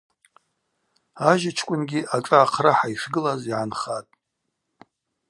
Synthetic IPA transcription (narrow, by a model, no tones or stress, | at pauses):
aʒɪt͡ʃʰkʷʼʊnɡʲiʔaʈ͡ʂʼaaqʰraħaiʂɡɨlaziʕanχatʼ